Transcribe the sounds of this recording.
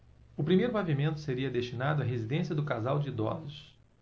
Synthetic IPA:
ʊpɾimejɾʊpavimẽnt̪ʊ̥seɾiɐd̪eʃt͡ʃinad̪ʊɐɦezid̪ẽsiɐd̪ʊkazawd͡ʒɪid̪ɔ̰zʊs

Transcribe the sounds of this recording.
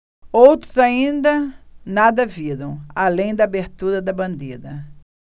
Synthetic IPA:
owt̪ɾʊzaĩnd̪ɐnad̪ɐviɾɐ̃w̃alẽj̃d̪ɐːbeɾt̪uɾɐd̪ɐbɐ̃nd̪eɾɐ

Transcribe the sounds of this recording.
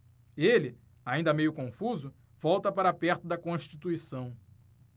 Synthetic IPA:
elɪ | aĩnd̪ɐmejʊkõfuzʊ | v̥ɔwt̪ɐpaɾɐapɛɾt̪ʊd̪ɐkõʃt͡ʃit̪uisɐ̃w̃

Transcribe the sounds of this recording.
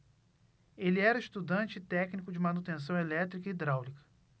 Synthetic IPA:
elɪɛɾɐiʃt̪ud̪ɐ̃nt͡ʃɪt̪ɛknikʊd͡ʒɪmɐnut̪ẽs̬ɐ̃w̃elɛt̪ɾikɐid̪ɾawlikɐ̥

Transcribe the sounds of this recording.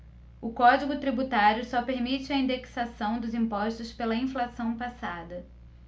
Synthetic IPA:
ʊkɔd͡ʒiɡʊt̪ɾibut̪aɾjʊsɔpeɾmit͡ʃɪɐĩnd̪eksasɐ̃w̃d̪ʊzĩmpɔʃt̪ʊspelɐĩflasɐ̃w̃pasad̪ɐ

